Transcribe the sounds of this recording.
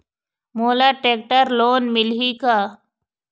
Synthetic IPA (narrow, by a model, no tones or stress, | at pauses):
moːlaːʈeːk̚ʈəɾloːnmɪlɦiːkaː